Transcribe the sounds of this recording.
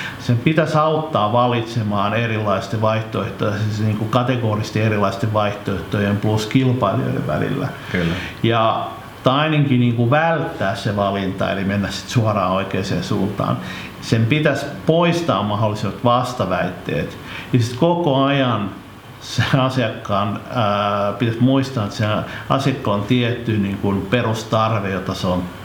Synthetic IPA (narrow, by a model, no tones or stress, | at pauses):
sempit̪æsɑut̪ːɑːʋɑlit̪semɑːnerilːɑist̪eʋʋɑiht̪oeht̪ojesniːŋkukɑt̪eɡoːrist̪ierilːˑɑist̪eʋʋɑiht̪oeht̪oiempluskilpɑilio̰jḛʋʋæ̰lḭlːæ̰ | klːjɑ | t̪ɑineŋkiniːŋkuʋælt̪ːæːsseʋɑlint̪ɑ̰ḛlimenːæssi̥t̪suɑrɑ̰ːoikeːsḛːnsuːnt̪ɑ̰ːn | sempit̪æspoist̪ɑ̰ːmmɑholːˑisimɑt̪ʋɑst̪ɑʋæit̪ːḛːt̪ | jisit̪kokoɑjɑn | seɑsiɑkːɑːn | pit̪æsmuist̪ɑːnet̪senɑ̰sjɑkːɑont̪iet̪ːyniːŋkunperust̪ɑrʋejot̪ɑseon